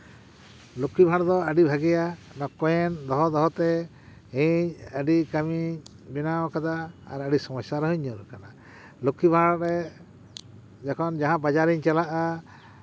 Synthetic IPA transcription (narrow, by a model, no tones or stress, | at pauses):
lukʰːibʱãɽd̪ɔaɖibʱaɡɛjanɔkɔjɛnd̪ɔɦɔd̪ɔɦɔt̪ɛ | iɲəɖikami | bɛnawkad̪aːɾaɖisɔmɔsjaɾɛɦuɲɔɾkana | lukʰːibʱãɽɔɾɛ | d͡ʒɛkʰɔnd͡ʒaɦãbad͡ʒaɾiɲt͡ʃɛlaʔa